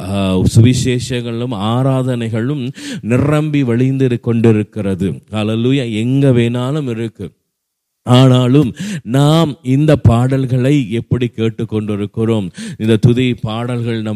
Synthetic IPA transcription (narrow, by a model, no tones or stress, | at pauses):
sʊʋɪʃeːʂɐŋɡɐɯmaːɾaːðɐnɐɪɣɐɭɯmnɪrɐmbiʋɐɭɪnd̪ɪɾɯkːɔɳɖɪɾɯkːɪrɐðɯhɐleluːjaɛŋɡɐʋeːnaːlɯmɪɾɯkːɯ | aːnaːlɯmnaːmɪnd̪ɐpːaːɽɐlɣɐɭɐɪɛpːɐɽikːeːʈːɯkːɔɳɖɪɾɯkːɪroːmɪnd̪ɐt̪ʊðɐjpaːɽɐlɣɐɭnɐ